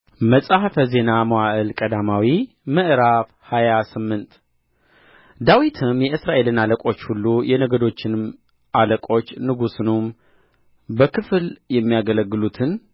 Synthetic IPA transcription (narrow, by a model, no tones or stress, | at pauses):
məsʼahfəze̞namowaʔɨlkʼəd̪amawi | mɨʔɾaf | hajasɨmːɨnt̪ | d̪awit̪ʰɨmjɛɨsɾaʔe̞lɨnaləkʼo̞t͡ʃːhulːujɛnəɡəd̪o̞t͡ʃːɪn | ʔaləkʼo̞t͡ʃːnɨɡusɨnum | bəkʰɨfljɛmːijaɡələɡːɨlut̪ʰɨn